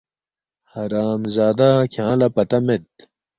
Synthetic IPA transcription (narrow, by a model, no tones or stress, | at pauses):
hɐɾaːmzaːd̪akʰãːlɐpɐt̪ɐmed̪̚